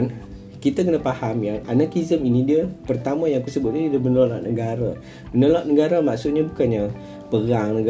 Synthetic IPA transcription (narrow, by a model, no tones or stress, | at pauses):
n | kit̪akənapahamjaŋa̰nakizəminidiəpərt̪amãjaŋkusəbʊt̪̚iddiəmənolaʔ̚nəɡaɾə̰ | mənolaʔ̚nəɡaɾəmaksut̪̚ɲabukanɲa | pəɾaŋnəɡa